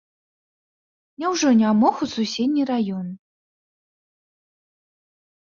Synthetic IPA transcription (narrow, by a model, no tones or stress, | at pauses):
nʲɛwʐɔnʲamɔxususʲed̪̚ʲnʲiɾajɔn